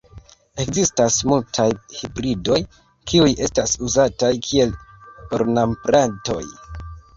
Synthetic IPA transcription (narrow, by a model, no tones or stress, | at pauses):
e̞kzistasmultʰajhibɾido̞j | kiujʔe̞stasuzatajkʰie̞loɾnampɾanto̞̰j